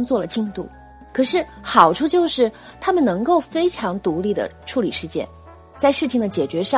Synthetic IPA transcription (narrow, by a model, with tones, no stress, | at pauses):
ŋt͡swɔ˥˩lə˩t͡ɕi˥˧ŋt̪ṵ˥˩ | kʰɤ˨˩ʂɻ̩˥˩xɑ˨˩ʊʈ͡ʂʰu˥˧t͡ɕjo˥˧ʊʂɻ̩˥˩ | t̪ʰa˥mə˨nɤ˧˥ŋko˥˩ʊfe˥ɪʈ͡ʂʰɑ˧˥ŋt̪u˧˥li˥˩d̪ə̰˩ʈ͡ʂʰu˧˥lḭ˨˩ʂɻ̩˥˧t͡ɕjɛ̰˥˩n | t͡sa˥˧ɪʂɻ̩˥˩t͡ɕʰi˩ŋd̪ə˩t͡ɕjɛ˨˩t͡ɕɥɛ˧˥ʂɑ˥˧